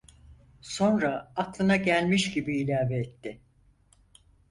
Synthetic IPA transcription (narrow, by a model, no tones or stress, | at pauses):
so̞nɾaːk̪lˠɯnaɟælʲmiʃɟibiːlʲaːveːt̪ːɪ